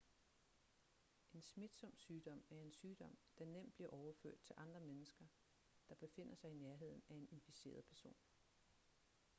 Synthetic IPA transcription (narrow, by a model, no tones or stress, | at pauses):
ʔe̝nsmid̥sɒ̽m̰syːd̥ɒ̽m̰æɐe̝nsyːd̥ɒ̽m̰d̥ɑ̈nem̰d̥̚bliɐʔɒʊɐfø̰ɐ̰d̥̚t͡sʰe̝lʔɑ̈nd̥ʁɐmenəsɡ̥ɐ | d̥ɑ̈b̥e̝fe̝n̰ɐsɑ̈ɪinæɐɦe̝ð̞̰ˠn̩æe̝ne̝nfise̝̰ːɐð̞̩ˠpʰæɐso̝̰ːn